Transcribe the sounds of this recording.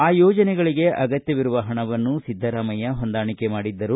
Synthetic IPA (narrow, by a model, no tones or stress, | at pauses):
aːjɔːd͡ʒɐnɛɡɐɭiɡe̞ʔɐɡɐt̪jɐʋiɾuʋɐɦɐɳɐʋɐnːusid̪ʱːɐɾaːmɐjɐɦond̪aːɳikemaːɽid̪ːɐɾu